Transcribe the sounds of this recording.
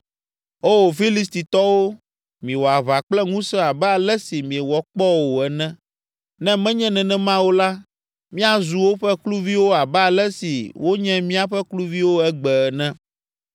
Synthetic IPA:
o˦wo˨fi˦li˦s̬t̪i˨t̪ɔ˦wo˦ | mĩ˨wɔ˨a˨βa˨k͡plɛ˦ŋũ˦sɛ˦a˨bɛ˦a˨lɛ˦si˨mĩ˨ɛ˨wɔ˨k͡pɔ˦wo˨ɛ˨nɛ̃˦ | nɛ̃˦mɛ̃˦ɲɛ̃˦nɛ̃˨nɛ̃˦mã˦wo˦la˦ | mĩ˦a˦zu˨wo˦ɸɛ˦klu˦vi˦wo˦a˨bɛ˦a˨lɛ˦si˨wʔo˦ɲɛ̃˦mĩ˦a˦ɸɛ˦klu˦vi˦wo˦ɛ˦ɡ͡bɛ˨ɛ˨nɛ̃˦

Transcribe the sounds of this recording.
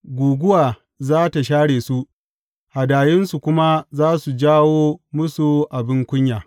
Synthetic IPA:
ɡʷuː˨ɡʷʊ˦waː˨ | zaː˦ta˨ʃaː˦ɽeː˨su˦ʔ | ha˨daː˨jɪ˦nsu˨kʷʊ˦ma˦zaː˦su˨d͡ʒaː˦woː˦mʊ˦su˨ʔa˨bɪ˦ŋkʷʊ˦ɲjaː˨

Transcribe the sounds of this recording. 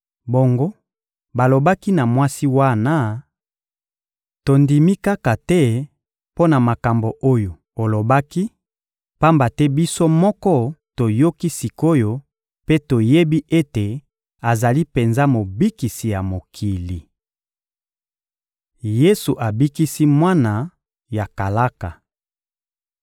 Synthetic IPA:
bo˨ŋɡo˦ | ba˨lo˨ba˦ki˦na˨mwa˦si˦wa˦na˦ | to˨ndi˨mi˦ka˦ka˨tɛ˦ | po˦na˨ma˨ka˨mbo˨ʔo˦jo˨ | o˨lo˨ba˦ki˦ | pa˦mba˨tɛ˦bi˦so˦mɔ˦kɔ˦to˨jo˦ki˦si˨ko˦jo˦ | pe˦to˨je˦bi˦ʔe˦te˨ | a˨za˨li˦pe˨nza˦mo˨bi˦ki˨si˨ja˨mo˨kʰi˨li˨ | je˦su˨ʔa˨bi˦ki˦si˦mwa˦na˨ | ja˨ka˨la˦ka˨

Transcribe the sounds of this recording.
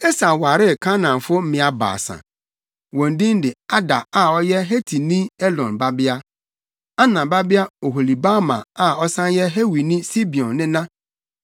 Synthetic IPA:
ɛ˦sã˨wa˨ɾɪ˦˨kʰã˦nã˨m˨fʊ˦m̩˦mɪ̃˨˦a˨ba̰ː˨sã̰˨ | wɔ̃˨n˦dĩ˦n˦dɪ˨a˦da˨a˦ɔ˦jɛ˦ɦe˦tʰi˨nĩ˦ɛ˦dɔ̃˨nba˦bɪ˦a˦ | a˦nã˨ba˦bɪ˦a˦o˨ɦo˨li˨ba˦mã˨a˦ɔ˦sã˦njɛ˦ɦe˦wi˨nĩ˦si˦bi˨ɔ̃˨nːɪ̃˦nã˦

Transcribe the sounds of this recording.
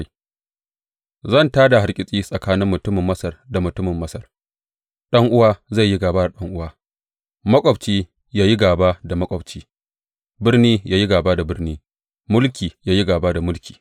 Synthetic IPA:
zɐ˦˨ntaː˦da˨ha˨rkʲʼɪ˦sʼiː˦sʼɐ˨kaː˦nɪ˦mːʊ˨tʊ˦mɪ˨mːɐ˦sɐ˨rda˨mʊ˨tʊ˦mɪ˨mːɐ˦sɐ˨r | ɗɐ˦ŋʔʊ˦waː˦za˦˨jːi˦ɡaː˨baː˦da˨ɗɐ˦ŋʔʊ˦waː˦ | mɐ˦kʷʼɔ˨bt͡ʃiː˦ | jaː˦ji˦ɡaː˨baː˦da˨mɐ˦kʷʼɔ˨b̚t͡ʃiː˦ | bɪ˦rniː˦jaː˦ji˦ɡaː˨baː˦da˨bɪ˦rniː˦ | mʊ˦lkʲiː˨jaː˦ji˦ɡaː˨baː˦da˨mʊ˦lkʲi̥ː˨

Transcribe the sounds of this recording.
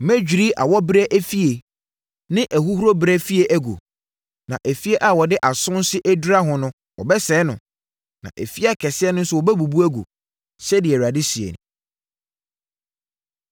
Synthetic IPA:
mɛ̃˦d͡ʑᶣi˨ɾi˦ʔa̰˨wɔ˦bɾɛ˦ʔæ˦fi˦e˨ | nɪ̃˦ʔæ˨ɦu˦hu˦ɾo˦bɾɛ˦fi˦e˨ʔæ˦ɡo̰˨ | nã̰˨ʔæ˨fi˦e˦ʔa˦˨wɔ˨dɪ˦ʔa˨sʊ̃˦n˦sɪ˦ʔæ˦du˦ɾa˦ɦʊ̃˨nʊ̃˦ | wɔ̰˨bɛ˦sɛ˨˦nʊ̰̃˨ | nã̰˨ʔæ˨fi˦a˨kʰɛ˨sɪ˦ɛ˦nʊ̃˦n̩˦sʊ˦wɔ˨bɛ˦bu˨bu˦æ˦ɡo̰˨ | sɛ˦dɪ˨ɛ˨a˨dɪ˦si˨ḛ˨ñ˨

